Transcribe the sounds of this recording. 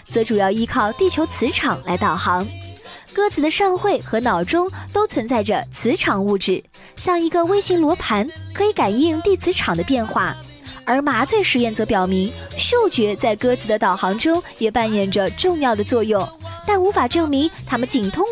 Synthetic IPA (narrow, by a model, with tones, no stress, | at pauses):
t͡sɤ˧˥ʈ͡ʂu˨˩jɑ˥˧ʊi˥kʰɑ˥˧ʊt̪i˥˩t͡ɕʰjo˧˥ʊt͡sʰɹ̩˧˥ʈ͡ʂʰɑ˨˩ŋla˧˥ɪt̪ɑ˨˩ʊxɑ˧˥ŋkɤ˥t͡sɹ̩˨˩d̪ə˧ʂɑ˥˧ŋxwe˥˩ɪxɤ˧˥nɑ˨˩ʊʈ͡ʂʊ˥ŋt̪o˥ʊt͡sʰwə˧˥nt͡sa˥˩ɪʈ͡ʂə˩t͡sʰɹ̩˧˥ʈ͡ʂʰɑ˨˩ŋu˥˧ʈ͡ʂɻ̩˥˩ | ɕjɑ˥˩ŋi˧˥ɡə˧we˥ɪɕi˧˥ŋlwɔ˧˥pʰa˧˥nkʰɤ˧˥i˧˥ka˨˩ɪi˥˧nt̪i˥˩t͡sʰɹ̩˧˥ʈ͡ʂʰɑ˨˩ŋd̪ə˦pjɛ˥˧nxwa̰˥˩ | ə˞˧˥ma˧˥t͡swe˥˩ɪʂɻ̩˧˥jɛ˥˩nt͡sɤ˧˥pjɑ˨˩ʊmi˧˥ŋɕjo˥˩ʊt͡ɕɥɛ˧˥t͡sa˥˧ɪkɤ˥t͡sɹ̩˧˩d̪ə˧t̪ɑ˨˩ʊxɑ˧˥ŋʈ͡ʂʊ˥ŋjɛ˨˩pa˥˩njɛ˨˩nʈ͡ʂə˩ʈ͡ʂʊ˥˧ŋjɑ˥˩ʊd̪ə˩t͡swɔ˥˧jʊ˥˩ŋt̪a˥˩nu˧˥fa˨˩ʈ͡ʂɤ˥˩ŋmi˧˥ŋt̪ʰa˥mə˨t͡ɕi˨˩ŋt̪ʰʊ˥ŋ